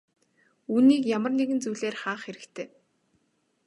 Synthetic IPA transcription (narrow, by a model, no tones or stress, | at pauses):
uːniːkjamə̆rneɣɘ̆nt͡sujɮeːrχaːχxeɾɘ̆kt̪ʰeː